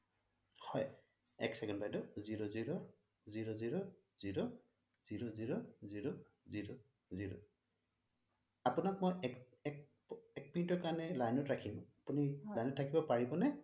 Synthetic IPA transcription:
hɔj | ɛ̰ksɛkɛnbajdɔziɹoziɹɔ | ziɹoziɹɔ | ziɹo | z̥iɹoziɹoziɹo | ziɹo | ziɹo̰ | apunak̚mɔjɛk | ɛk | ɛk̚pɔintɔɹkaɹanɛlajnɔtɹakʰimapunilajnɔtʰːakibɔpaɹibɔnɛ

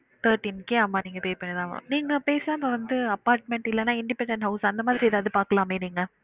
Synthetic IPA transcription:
t̪ʰɐːɾʈinkeːɐːmːaːniːŋɡɐpeːɾpɐɳːeðãːʋɐ̰niːŋɡɐpeːsaːmɐʋɐnd̪ɯɐpaːɾʈ̚mɛɳʈɪlːɛnaːɪɳɖɪpɛɳɖɛɳʈɦɐʊsɐnd̪ɐmaːðɪɾiɛːðaːʋðɯpaːɾkɐlaːmeːniːŋɡɐ

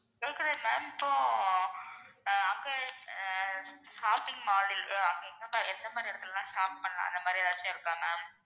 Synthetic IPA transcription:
ŋɡɐlkːɪɾemaːmɪpːoː | ɐŋɡe | ʂaːpɪŋmaːlɪlɐŋɡeɛnɡ̪ɐmaɾɛnd̪ɐmaːd̪ɾiɛɾɐt̪ːɪllãːʂaːp̚pɐɳːɐlã̰ːɐ̰nd̪ɐmaːd̪ɾiɾaːt͡ʃːãɪɾɯkːãːmaɐːm

